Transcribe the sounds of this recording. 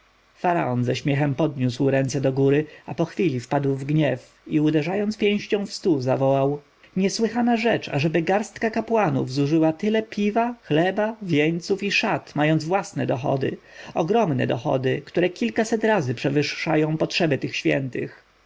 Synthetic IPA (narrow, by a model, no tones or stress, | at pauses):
faɾa̰ɔnzɛɕmʲjɛxɛmpɔd̪ɲuswɾɛnt̪sɛd̪ɔɡuɾɘapɔxfʲilʲifpad̪wvɡɲɛf | iud̪ɛʐajɔnt̪spʲjɛ̃w̃ɕt͡ɕɔ̃w̃fst̪uzavɔwaw | ɲɛswɘxanaʐɛt͡ʂa̰ʐɛbɘɡaɾst̪kakapwanṵvzuʐɘwat̪ɘlɛpʲʰivaxlɛbavʲjɛɲt̪sufiʂat̪majɔnzvwasnɛ̰d̪ɔxɔ̰d̪ɘ̰ | ɔɡɾɔmnɛ̰d̪ɔxɔ̰d̪ɘkt̪uɾɛkʲilkasɛt̪ɾazɘpʂɛvɘʂːajɔ̃w̃pɔtʂɛbɘt̪ɘxɕfʲjɛ̰nt̪ɘ̰x